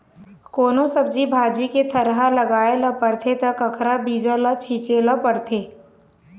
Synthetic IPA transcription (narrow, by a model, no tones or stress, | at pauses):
koːnõsɐb̚d͡ʒibʱaːd͡ʒiket̪ʰɐɾɦalɐɡaːelɐpɐɾt̪ʰet̪ɐkɐkʰɾabiːd͡ʒələt͡ʃʰiːt͡ʃeləpəɾt̪ʰeː